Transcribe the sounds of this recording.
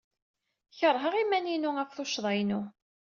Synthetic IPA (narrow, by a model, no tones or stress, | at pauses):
çəɾˤɦəʁimæninʊækθoʃðˤɑjnʊ